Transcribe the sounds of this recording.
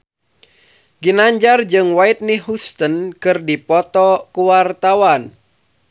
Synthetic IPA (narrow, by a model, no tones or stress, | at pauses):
ɡinaɲd͡ʒard͡ʒɨŋwait̪̚niɦust̪ənkɨrdipɔt̪ɔkuwart̪awan